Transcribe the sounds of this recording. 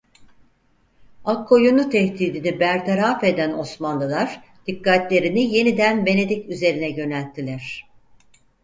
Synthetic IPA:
akʰːo̞junut̪ʰɛht̪iːd̪inibæɾt̪ʰeɾafe̞d̪æno̞smanlˠɯlˠaɾ̥ | d̪̥ikːat̪lʲe̞ɾinije̞nid̪ænbe̞ne̞d̪icyze̞ɾinɛɟø̞nælʲt̪ʰːilʲæɾ̝̥

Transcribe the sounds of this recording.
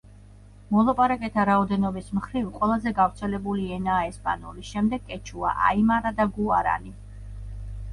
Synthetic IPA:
mɔlˠapʼaɾakʼɛt̪ʰaɾaɔd̪ɛnɔbismχɾivqʼwɛlˠazɛɡavɾt̪sʰɛlɛbuliɛnaːɛspʼa̰nulisʃɛmd̪ɛɡʼɛt͡ʃʰua̰ʔa̰imaɾad̪aɡuaɾa̰ni

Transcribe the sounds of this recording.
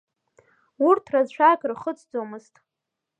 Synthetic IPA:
urtʰrazʃʷᶣakʼrχət͡sʰʼd͡zomɨztʼ

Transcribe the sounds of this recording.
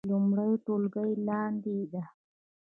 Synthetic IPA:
lumɽajoʈolɡəjlɑnd̪id̪a

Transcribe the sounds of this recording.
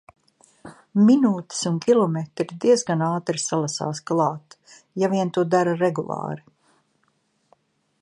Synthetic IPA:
minuːt̪ɪ̥suŋkʲilˠɔmet̪ɾid̪iɛzɡanaːt̪ɾisalˠasa̰ːsklˠɑːt̪ | javiɛnt̪uɔd̪aɾaɾɛɡulˠɑ̰ːɾi

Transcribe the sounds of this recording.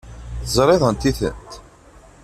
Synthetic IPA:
θəzˤɾˤeðˤənt̪iθə̰nt̪

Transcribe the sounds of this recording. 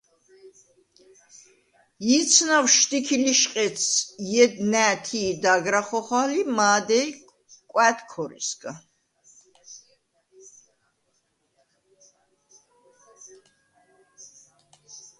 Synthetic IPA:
it̪sʰnawʃt̪ikʰiliʃqʼɛt̪sjɛd̪næːt̪ʰiːd̪aɡɾaχɔχwalimaːd̪ɛj | kʼwæt̪ʰkʰɔɾḭsɡʰʼa

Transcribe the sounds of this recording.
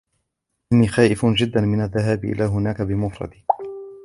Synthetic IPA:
ʔɪnːiːxaːʔɪfnd͡ʒɪd̪ːanmɪnaðːaɦaːbʔɪ̰laːɦʊnaːkabɪmʊfɾˤɑ̰d̪iː

